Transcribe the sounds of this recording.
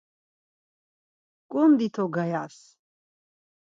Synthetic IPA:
kʼund̪it̪ʰɔɡajas

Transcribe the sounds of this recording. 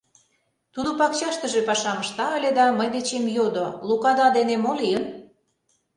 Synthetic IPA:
t̪ud̪opɑkt͡ɕɑʃt̪əʒepɑʃɑməʃt̪ɑəlʲed̪ɑməjd̪et͡ɕemjod̪olukɑd̪ɑd̪enemoliən

